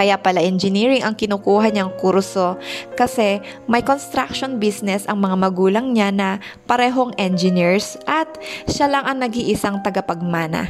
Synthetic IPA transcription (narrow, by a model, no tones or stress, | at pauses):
kɐjapɐlaʔɛnd͡ʒɪniːɹɪŋɐŋkɪnʊkuːɦɐɲɐŋkuɾso̞kɐsɛ | mɐjkonst̪ɾak̚ʃonbisnɛsɐŋmɐŋamɐɡuːlɐŋɲanɐ | pɐɾɛːɦoŋʔɛnd͡ʒɪniɹsʔɐt̪̚ʃalaŋʔɐŋnɐɡiʔɪsaŋt̪ɐɡɐpɐɡ̚maːnɐ̰